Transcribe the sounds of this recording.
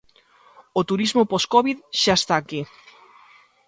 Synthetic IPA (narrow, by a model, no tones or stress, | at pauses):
ot̪uɾizmopɔskɔβiðʃaest̪aki